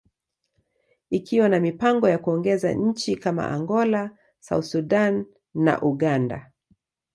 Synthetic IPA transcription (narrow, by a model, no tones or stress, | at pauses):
ikiwanamipaŋɡɔjakuɔŋɡɛza̰ɲ̩t͡ʃikama̰ʔa̰ŋɡɔla | sa̰uθsudanː | a̰ʔuɠanda̰